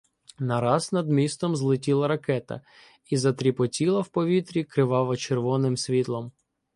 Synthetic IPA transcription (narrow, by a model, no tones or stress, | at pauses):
nɐɾɑznɐd̪mʲist̪ɔmzlˠɪtʲilˠɐɾɐkɛt̪ɐ̰ | izɐt̪ɾʲipɔtʲilˠɐwpɔʋʲit̪ɾʲikɾɪʋɑʋˠɐt͡ʃerʋɔnɪmsʲʋʲit̪lˠɔm